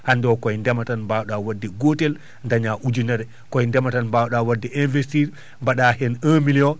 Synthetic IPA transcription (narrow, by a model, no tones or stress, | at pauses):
handɔkɔjndɛmatanmbawɗawadːiɡotɛl | ndaɲaʔud͡ʒunaɾɛ | kɔjndɛmatanbawɗawadːiʔinvɛstiɾ | mbaɗahɛnəːmiliɔ